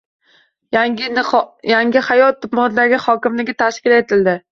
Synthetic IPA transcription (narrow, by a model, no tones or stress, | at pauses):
njaŋʲɪhajɒt̪ːʊpmɒnd̪aɡʲɪhɒkʲɪmlɪɡʲɪt̪ʰaʃkʲɪle̞t̪ʰɪld̪ɪ